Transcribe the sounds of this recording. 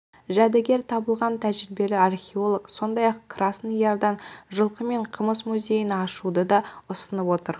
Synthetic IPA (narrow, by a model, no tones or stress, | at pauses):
ʒæd̪ɪɡʲe̞ɾt̪ʰɑbəlˠʁɑnt̪ʰæʒɪɾɪbe̞lɪarχʲeo̞lˠokso̞nd̪ɑjɑqkrasnjɑɾd̪ɑnʒəlˠqəme̞ɴqʰəməsmuzʲe̞jənɑʃud̪əd̪ɑʊsənəpwo̞t̪əɾ